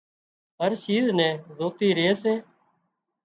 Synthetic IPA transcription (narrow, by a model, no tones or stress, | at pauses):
ɦəɾʃiːznɛ̃ːzoːt̪iːɾeːseː